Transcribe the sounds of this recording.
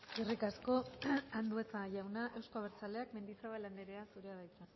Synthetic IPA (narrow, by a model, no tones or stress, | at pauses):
irikasko̞and̪uesaʝawnaʔe̞wskoaβeɾt͡sale̞akme̞nd̪ifɾaβaland̪eɾeasuɾeaðajt̪a